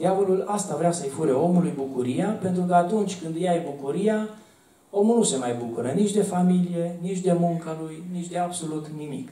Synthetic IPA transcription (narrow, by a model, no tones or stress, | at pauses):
d̪javolulast̪avɾeasəjfuɾeo̞mulujbukuɾijape̞nt̪ɾukəat̪unt͡ʃʲkɨnd̪jajbukuɾija | o̞mulnuse̞majbukuɾənit͡ʃʲd̪e̞familije̞nit͡ʃd̪e̞muŋkalujnit͡ʃʲd̪e̞abso̞lut̪nimḭk